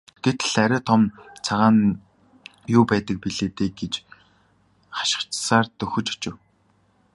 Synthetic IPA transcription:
ɡ̥̪et̪̆ɮæɾʲæːt̪ʰɔmt͡sʰaʁaːn | jʊːpæːt̪ə̆k̚piɮeːt̪eːɡet͡ɕ | χḁʃɪ̥̆χt͡ɕsaːrt̪ɵxɵ̆t͡ɕɔ̥t͡ɕɪ̆w

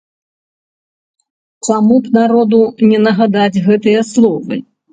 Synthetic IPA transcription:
t͡samupnaɾɔd̪unʲɛnɐɣad̪ad͡zʲɣɛt̪ɨjɐslˠɔvɨ̰

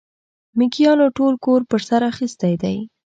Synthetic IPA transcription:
mikijɑnoʈolkoɾpəɾsaɾaxist̪ajd̪aj

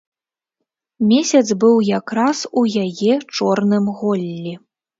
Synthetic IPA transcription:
mʲesʲɐd̪zbɨwjakɾasujajɛt͡ʂɔrnɨmɣɔlʲːi

